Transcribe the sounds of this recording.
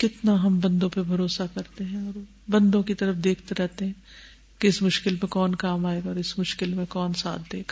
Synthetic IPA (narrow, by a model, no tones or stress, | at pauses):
kɪt̪naɦɐmbɐ̃nd̪õpebʱɐɾoːsakɐɾt̪eɦɛ̃ɔːɾ | bɐ̃nd̪õkit̪ɐɾəfd̪eːkʰt̪eɾɛɦt̪eɦɛ̃ | keɪsmʊʃkɪlmẽkɔːnkaːmaːeːɡaɔːɾɪsmʊʃkɪlmẽkɔːnsa̰ːt̪̚ʰd̪eːɡa